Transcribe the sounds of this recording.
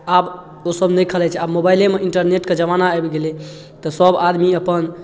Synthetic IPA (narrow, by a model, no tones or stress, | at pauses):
ab | osəbnəjkʰəlɛt͡ʃʰɛabmobajlemeʔiɳʈəɾneʈked͡ʒəmanaəbɡele | t̪ɔsəbad̪miəpən